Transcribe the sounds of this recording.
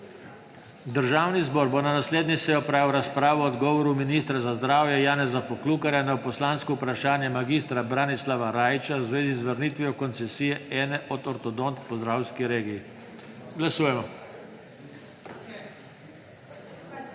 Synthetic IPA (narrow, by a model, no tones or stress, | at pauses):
d̪əɾʒaːwnizbɔːɾbɔnanasleːd̪nʲisɛjɔpɾaːwɾaspɾaːʋɔːd̪ɡɔːʋɔɾuminist̪ɾazazd̪ɾaːwjɛjaːnɛzapɔklukaɾjanawpɔslaːnskɔupɾaʃaːnjɛmaɡist̪ɾabɾanislaʋaɾaːjt͡ʃawzʋeːzizʋəɾniːt̪ʋijɔkɔnsɛsijɛɛːnɛʔɔt̪ɔɾt̪ɔd̪ɔnt̪pɔzd̪ɾaːwskiɾeːɡij | ɡlasuːjɛmɔ